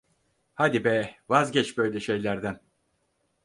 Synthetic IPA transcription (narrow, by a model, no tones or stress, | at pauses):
had̪ibɛvazɟɛt͡ʃbø̞jlʲɛʃe̞jlʲæɾd̪æn